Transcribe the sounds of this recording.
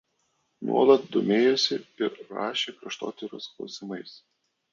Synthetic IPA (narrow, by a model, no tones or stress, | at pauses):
nṵɔlˠɐt̪̚d̪oːmʲeːjɛsʲɪɪɾɾɑ̰ːʃʲeːkɾʲɐʃt̪o̰ːt̪ʲɪɾʲosklˠɔ̰ʊsʲɪmɐɪs